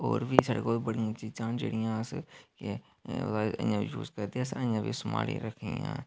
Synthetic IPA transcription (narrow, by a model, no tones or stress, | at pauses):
oːɾʋiːsaːɖeːkoːlbəɽɪjãːt͡ʃiːzãːd͡ʒḛːɽɪjãːskɪ | o̰d̪aːə̰̃jãːʋiːjuːzkəɾd̪esə̃jãːʋiːsʊma̰ːɽḭːɾəkʰijã̰ː